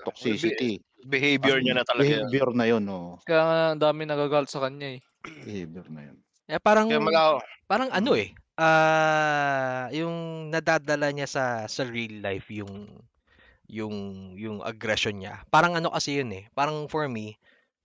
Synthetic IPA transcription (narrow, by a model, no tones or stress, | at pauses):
t̪ok̚sisit̪i | bɪhejbjɛɹɲanɐt̪ɐlɐɡhbjɛɾnɐjonʔoːʔokɐjaːŋɐɐnd̪aːmɪnɐɡaɡalt̪sɐkɐɲaɛ | bɪhejbjɛɾnɐ̰jo̰n | ʔɛpaːɾɐŋmɐɡapaːɾɐŋʔɐno̞ʔɛ | ʔaː | jʊŋnɐd̪aːd̪ɐlaɲasɐsɐɹilːajfjʊŋ | jʊŋjʊŋʔɐ̰ɡɾɛʃonɲa̰paːɾɐŋʔɐno̞kɐsɛjonɛpaːɾɐŋfoɹmi